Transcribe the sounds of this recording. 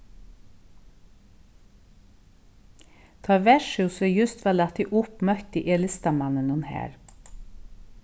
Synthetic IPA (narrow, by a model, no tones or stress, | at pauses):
t̪ʰɑʋæʃʉsœjʉst̪ʋɑːlɑt̪iʔʊpmœkt̪ɪʔɛlɪst̪ɑmɑnənʊnhæ̰ːɾ